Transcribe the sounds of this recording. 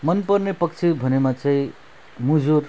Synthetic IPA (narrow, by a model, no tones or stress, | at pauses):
mʌnpʌrnepʌkt͡sʰibʱʌnemat͡sʌĩ | mud͡zuɾ